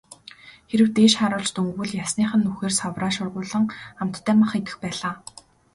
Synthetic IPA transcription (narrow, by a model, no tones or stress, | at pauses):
xeɾɘ̆wt̪eːʃχaɾʊːɮt͡ɕt̪uŋɡwɘ̆ɮjasniːχə̆nːuxeːrsawraːʃʊrʁʊːɮə̆ŋam̥t̪ʰːæːmaχet̪ɘ̆xpæːɮaː